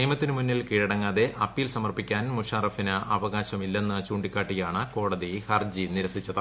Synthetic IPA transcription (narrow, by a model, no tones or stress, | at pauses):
niːjmɐt̪ːinɨmunːilkiːɻɐɽɐŋːaːðe̞ʔɐpːijlsɐmɐrpikʲːaːnmuʂaːrɐfinɨʔɐʋɐɣaːɕɐmilːe̞nːɐt͡ɕuːɳɖikʲːaːʈːijaːɳɨko̞ːɽɐðihɐrd͡ʑiniɾɐsit͡ɕːɐðɨ